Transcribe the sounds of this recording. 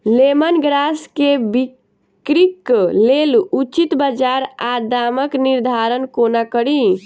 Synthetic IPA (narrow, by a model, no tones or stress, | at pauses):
lemənɡɾaskebi | kɾiklelut͡ʃit̪bəd͡ʒaɾad̪aməkniɾd̪ʱaɾənkonakəɾi